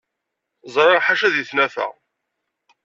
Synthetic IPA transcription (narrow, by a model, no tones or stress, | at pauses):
zˤɾˤɑʁħaʃæðjiθnæθæ̰